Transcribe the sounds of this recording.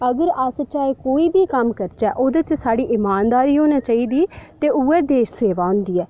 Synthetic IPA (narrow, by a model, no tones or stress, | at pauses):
əɡəɾəst͡ʃaːekoːiːbiːkəmkəɾt͡ʃɛːʔoːd̪et͡ʃsaːɽiːʔɪmaːnd̪aːɾiːɦoːnaːt͡ʃaːiːd̪iːt̪eːʔuːɛːd̪eːʃseːʋaːʊ̃nd̪iːɛː